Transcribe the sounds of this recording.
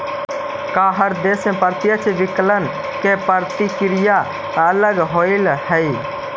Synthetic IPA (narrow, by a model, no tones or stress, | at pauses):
kaɦəɾd̪esmẽpəɾt̪jət͡ʃʰeʋiklən | kepəɾt̪ikɾija | ələɡɦoɪlhəj